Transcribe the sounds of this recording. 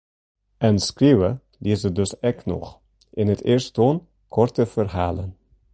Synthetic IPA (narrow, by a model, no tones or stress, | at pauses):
ɛnskriwə | liəzədɵsɛknɔ̰χ | ʔɪnətɪːɹston | kʰɔrtəv̥ərɦaːlən